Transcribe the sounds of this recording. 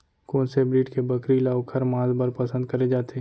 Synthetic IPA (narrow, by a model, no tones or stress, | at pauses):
koːnsebɾiːʈkebɐkɾilaːokʰɐɾmãːzbəɾpɐsə̃nd̪̚kɐɾed͡ʒaːt̪ʰe